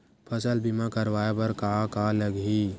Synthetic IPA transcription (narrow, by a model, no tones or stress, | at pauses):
pʰəsəlbɪmakəɾwaːepɐɾkakaləɡɦi